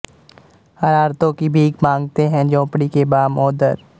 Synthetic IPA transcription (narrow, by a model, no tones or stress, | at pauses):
əɾaːɾt̪õkibʱiːɡmãːŋɡt̪eɦɛ̃d͡ʒɔ̃ːpɽikebaːmɔːd̪əɾ